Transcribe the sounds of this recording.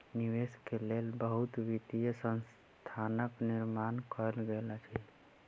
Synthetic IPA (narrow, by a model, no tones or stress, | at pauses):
niʋeskelelbəɦut̪ʋit̪ijəsə̃ns | t̪ʰanəkniɾmankɔlɡelat͡ʃʰi